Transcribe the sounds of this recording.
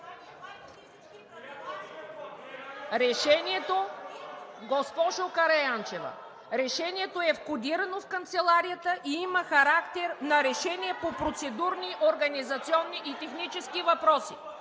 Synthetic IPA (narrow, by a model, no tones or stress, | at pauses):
ɾɛʃɛniɛt̪o | ɡɔspɔʃokɐɾɐjant͡ʃɛvə̰ | ɾɛʃɛnʲiɛt̪oɛfkʊd̪iɾɐnofkɐnt̪sɛlˠaɾijət̪əʔiiməxɐɾakt̪ɛɾnɐɾɛʃɛniɛpopɾot̪sɛd̪uɾniʔoɾɡɐnizɐt̪siɔnːiʔit̪ɛxnit͡ʃɛskivɐpɾɔsḭ